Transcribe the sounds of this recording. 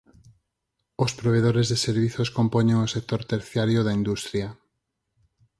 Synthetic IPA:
ospɾoβ̞eðoɾezðeseɾβiθoskompoɲẽŋosek̚t̪oɾt̪eɾθjaɾjoðaind̪ust̪ɾja

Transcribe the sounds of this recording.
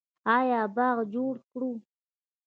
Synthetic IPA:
ɑjɑbɑɣd͡ʒoɽkɽu

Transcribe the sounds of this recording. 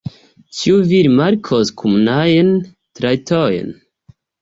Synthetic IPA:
t͡ʃiuviɾimaɾkʰoskʰumnajen | tɾajtʰojḛn

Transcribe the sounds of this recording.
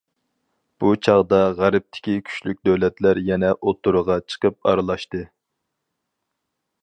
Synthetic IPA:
b̥ut͡ʃʰɑʁd̪ɑʁæɾɪp̚t̪ʰɪ̥kʲikʲʰy̥ʃlyk̚ʲd̪øwlɛt̪læɾjɛnɛʔot̪ʰːuɾʊʁɑt͡ʃʰə̥qəp̚ɑ̰ɾɨlˠɑʃt̪ɨ

